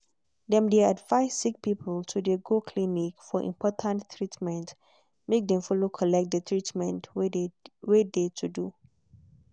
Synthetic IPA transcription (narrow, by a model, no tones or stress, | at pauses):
dɛ̃mdeadvaɪsik̚pipʰəltʰudeɡokʰlinikfɔʔḭ̃mpʰɔtʰãnttʰɹitmɛ̃nt | mek̚dɛ̃mfɔlokʰɔlɛk̚t̚dətʰɹitmɛ̃nt | wedetʰudu